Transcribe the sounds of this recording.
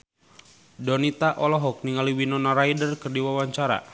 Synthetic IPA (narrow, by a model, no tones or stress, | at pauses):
dɔnit̪aʔɔlɔɦɔk̚niŋaliwinɔnaɾajdərkərdiwawaɲt͡ʃaɾa̰